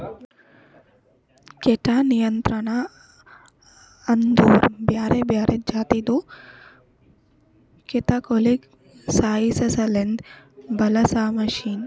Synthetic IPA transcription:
keʈaːnijɐnt̪ɾɐɳa | ɐnd̪oːɾbjaːɾebjaːɾed͡ʒaːt̪id̪u | ket̪akolik | saːjisɐsɐlend̪bɐlɐsaːmɐʃiːn

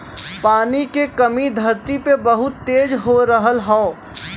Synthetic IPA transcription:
paːnikekɐmid̪ʱɐɾt̪ipebəɦʊt̪ːeːd͡ʒɦoɾəɦəlɦɔː

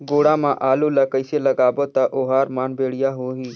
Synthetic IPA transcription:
ɡoːɽãːmãːʔaːluːlɐkəɪselɐɡaːbot̪aʔoːɦaːɾmaːnbeːɽɪjaːɦoːɦiː

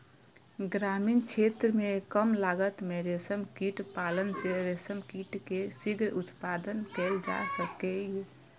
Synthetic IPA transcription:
ɡɾamint͡ʃʰet̪ɾəmekəmlaɡət̪meɾesəmkiʈpalənseɾesəmkiʈkesiɡɾut̪pad̪ənkɛld͡ʒa̰səkɛje

